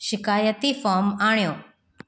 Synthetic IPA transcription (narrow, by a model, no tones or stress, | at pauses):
ʃɪkaːjət̪ifɔːɾmaːɳ̃ijõː